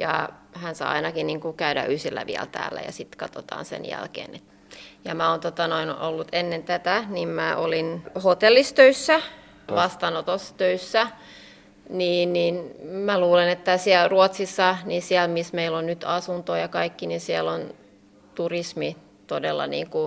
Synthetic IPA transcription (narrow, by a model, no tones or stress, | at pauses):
jɑ̰hænsɑ̰ːɑ̰inɑkiniːŋkukæydæ̰ʔysilːæ̰ʋḭæ̰lt̪æ̰ːlːæ̰jɑ̰sit̪kɑt̪ot̪ɑ̰ːnsḛnjæ̰lkḛːnet̪ | jɑmæoːnt̪ot̪ɑnoino̰lːut̪enːent̪æt̪ænimmæʔolinhot̪elːist̪øysːæ | ʋɑst̪ɑnot̪osːt̪øysːæ | niːnniːnmæluːlenet̪ːæsiælruot̪sisːɑninsiælmismeilonnyt̪ɑsunt̪ojɑkɑikːininsiælon | t̪urismi | t̪odelːɑ̰nḭːŋku